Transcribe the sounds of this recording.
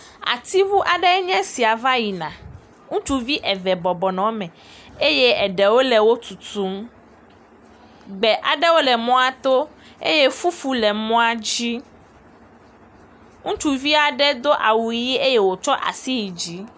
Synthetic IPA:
a̰˨t̪i˦vu˦ʔa˨ɖɛ˦ɲɛ̃˦si˨a˨va˦ji˨nã˨ | ŋũ˦t͡ʃu˦vi˦ʔɛ˨vɛ˨bɔ˨bɔ˨nɔ̃˨mɛ̃˨ | e˦je˦ɛ˨ɖɛ˨wo˦lɛ˨wo˦t̪u˨t̪u˦m | ɡ͡bɛ˨ʔa˨ɖɛ˦wo˦lɛ˨mɔ̃˦a˨t̪o˦ | ḛ˦je˦fu˦fu˦lɛ˨mɔ̃˦a˦d͡ʑi˦ | ŋũ˦t͡ʃu˦vi˦a˨ɖɛ˦d̪o˦ʔa˨wu˨˦ji˦e˦je˦wo˨t͡ʃɔ˦ʔa̰˨si˦ji˨d͡ʑi˦

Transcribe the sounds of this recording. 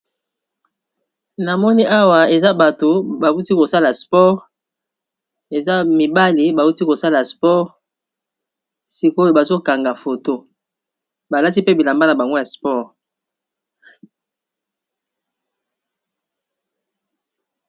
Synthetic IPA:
na˨mɔ˦ni˦ʔa˦wa˨e˨za˦ba˨to˨ba˨u˦ti˦ko˨sa˦la˨spɔ˦ʁ | e˨za˦mi˨ba˦li˨ba˨u˦ti˦ko˨sa˦la˨spɔ˦ʁ | si˨ko˦o˦jo˨ba˨zo˦ka˨ŋɡa˨fo˨to˦ | ba˨la˦ti˦pe˦bi˨la˨mba˦na˨ba˨ŋɡo˦ja˨spɔ˦˨ʁ

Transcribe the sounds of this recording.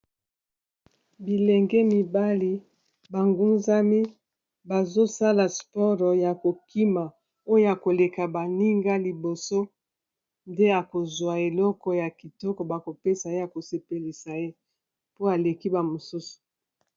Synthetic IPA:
bi˨lɛ˨ŋɡɛ˦mi˨ba˦li˦ | ba˨ŋɡu˦nza˦mi˦ | ba˨zo˦sa˦la˨spɔ˦ʁɔ˨ja˨ko˨kʰi˦ma˨ | o˦o˦ja˨ko˨le˨ka˨ba˨ni˦ŋɡa˦li˨bo˨so˦ | nde˦a˨ko˨zwa˨e˨lɔ˦kɔ˨ja˨ki˨tɔ˦kɔ˨ba˨ko˨pe˦sa˨e˦ja˨ko˨se˨pe˨li˨sa˨e˦ | po˦a˨le˨ki˦ba˨mo˨su˦su̥˨

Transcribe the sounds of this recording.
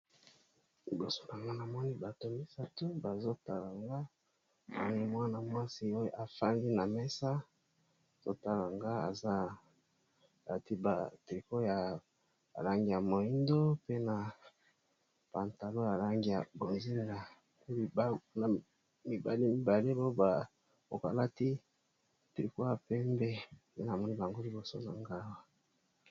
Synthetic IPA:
i˨bo˨so̥˦na˨ŋɡa˦na˨mɔ˦ni˦ba˨to˨mi˦sa˦to˦ba˨zo˦ta˨la˨ŋɡa˦ | a˨ni˦˨mwa˦na˨mwa˦si˦o˦jo˦ʔa˨fa˦ŋɡi˦na˨mɛ˦sa˦˨ | z̥o̰˦ta˦la˨ŋɡa˦a̰˨za˦ | a̰˨ti˦ba˨ti˨ko˦ja̰˨ | la˦ŋɡi˨ja˨mo˨i˦ndo˦pe˦na˨ | pa˨nta˨lo˦ja˨la˦ŋɡi˦ja˨bo˨nzi˦n˦˨na˨˦ | li˨bna˨ | mi˨ba˨le˦mi˦ba˨le˦bo˦ba˨ | bo̰˨ka̰˨la˦ti˦ | ti˨ko˦ja˨pɛ˦mbɛ˦˨pe˦na˨mɔ˦ni˦ba˨ŋɡo˦li˦bo˨so̰˦za˦ŋɡa˦wa˦

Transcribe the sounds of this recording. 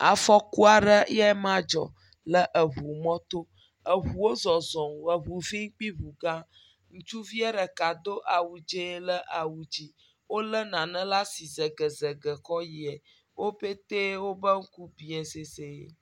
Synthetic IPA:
a˨fɔ˦ku˦a˨ɖə˦ɛ˦mã˦d͡ʒɔ̰˨ | lə˦ʔə˨βu˨mɔ̃˦t̪o˦ | ə˨ɦu˨wo˦zɔ˨zɔ̃˨wə˨βu˨vi˦ŋ˦k͡pi˦βu˨ɡã˦ | ŋũ˦t͡ʃu˦vi˦ɛ˦ɖə˨ka˨d̪o˦ʔa˨wu˨d͡ʒe˦lə˦ʔa˨wu˨d͡ʒi˦ | wo˦lə˦nã˨nə̃˦la˦si˨zə˨ɡə˨zə˨ɡə˨kɔ˦ji˨ɛ˨ | wo˦pe˦t̪e˦wo˦bə˦ŋ̩˦ku˦bi˨ɛ˨se˨se˨

